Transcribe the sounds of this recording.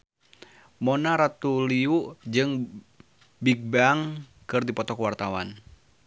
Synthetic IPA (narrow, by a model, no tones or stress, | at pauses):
mɔnaɾat̪uliuʔd͡ʒɨŋ | biɡ̚baŋ | kɨrdipɔt̪ɔkwart̪awan